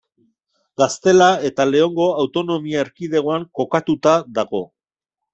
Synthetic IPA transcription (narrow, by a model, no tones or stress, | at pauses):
ɡast̪e̞lae̞t̪ale̞o̞ŋɡo̞awt̪o̞no̞miaeɾkið̞e̞ɣ̞oaŋko̞kat̪ut̪aðaɣo̞